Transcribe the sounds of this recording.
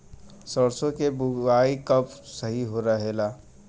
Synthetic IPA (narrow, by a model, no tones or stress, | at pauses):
səɽsõkebʊaːikɐpsəɦiɦoɾɐɦelaː